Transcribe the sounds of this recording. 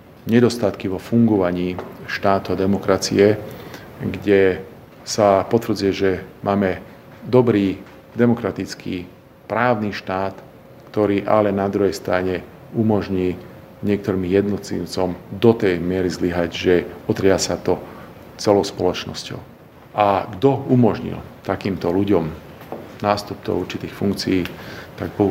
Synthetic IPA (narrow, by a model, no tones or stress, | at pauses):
ɲɛd̪ɔst̪at̪kiʋɔfuŋɡɔʋaɲiːʃt̪aːt̪uad̪ɛmɔkɾat͡sḭɛ | ɡɟɛ | sapɔt̪vr̩d͡zujɛʒɛmʔaːmɛ | d̪ɔbɾiː | d̪ɛmɔkɾat̪it͡skʰḭː | pɾaːʊniːʃt̪aːt̪ | kt̪ɔɾiːʔa̰lɛnad̪ɾuɦɛjst̪ɾaɲɛ | umɔʒɲiː | ɲɪɛk̚t̪ɔɾiːmjɛd̪nɔt̪lḭːʊt͡sɔmd̪ɔt̪ɛjmɪɛɾizliɦaɟʒɛɔt̪ɾɪasat̪ɔ | t͡sɛlɔʊspɔlɔt͡ʃnɔ̰scɔ̰ʊ | ʔaɡd̪ɔumɔʒɲḭlt̪akiːmt̪ɔluɟɔm | naːst̪up̚t͡sɔ̰ʊuɾt͡ʃit̪iːxfuŋkt͡sijːt̪aɡpɔ